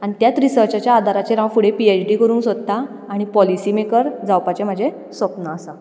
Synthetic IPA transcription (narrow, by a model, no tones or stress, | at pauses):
aɽ̃it̪jat̪ɾisəɾt͡ɕat͡ɕjaːd̪ʱaɾat͡ɕeɾãwfuɽepiet͡ɕɖikəɾuːnsod̪t̪aː | ɽ̃ipɔlisiːmekəɾd͡zawpat͡ɕem̤əd͡ʑʱe | sʋəpnəːsa